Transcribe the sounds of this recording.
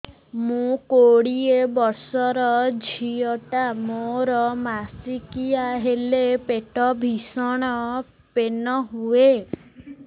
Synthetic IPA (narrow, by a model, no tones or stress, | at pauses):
mũkoɽiebɔɾsɔɾɔd͡ʒʱiɔʈamoɾɔmasikiaɦelepeʈɔbʱisɔɽ̃ɔ | penɔɦue